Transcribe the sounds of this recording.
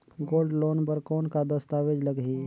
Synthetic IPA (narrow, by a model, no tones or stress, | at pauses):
ɡoːlɖloːnpəɾkɔːnkad̪əst̪aʋed͡ʒləɡɦiː